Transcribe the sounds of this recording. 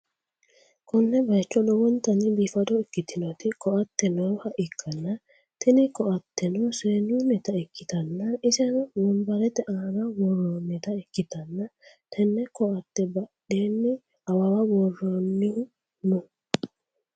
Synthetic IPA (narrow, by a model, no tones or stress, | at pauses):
kʰɔnːɛbɐjt͡ʃːɔɗɔwɔnt̪ɐnibifɐd̪ɔɛkːɪt̪ɪnɔt̪ikʰɔat̪ːɛnɔhaʔɪkʰːɐnːa | t̪ɛnikɔʔat̪ːɛnɔseːnɪunɛt̪aɛkːɪt̪ɐnːaʔɪsɛnwɔnbɐɾɛt̪ɛʔaːnawɔrːonːɛt̪aɛkːɪt̪ɐnːa | t̪ʰɛnːɛkɔat̪ːɛbɐɗeːnːi | awawawɔrːɔnːi | nu